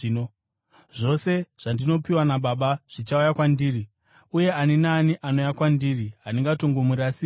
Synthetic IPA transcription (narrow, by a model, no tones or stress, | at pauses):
o | ʐo̞se̞ʐ̥andino̞piwanaɓaɓaʐ̥it͡ʃaujakwandiːri | uje̞aninaːniʔano̞jakwandiːriɦaniŋɡatoŋɡomurasi